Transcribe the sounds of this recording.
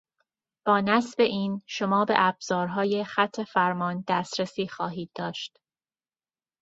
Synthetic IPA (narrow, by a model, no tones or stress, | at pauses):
b̥ɒːnæsbe̞ʔiːnʃo̞mɒːbe̞̰ʔæbz̥ɒːɾɦɒːje̞xæt̪ʰːe̞fæɾmɒːnd̪æːst̪ɾesiːxɒːɦiːd̪̥̚ːɒːʃt̪